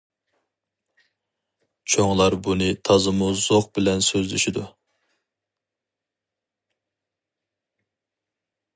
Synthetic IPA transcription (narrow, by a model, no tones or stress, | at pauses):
t͡ʃʰoŋlˠɑɾbunɨt̪ʰɑzɨmuzoχbɪlɛnsøzlyʃid̪u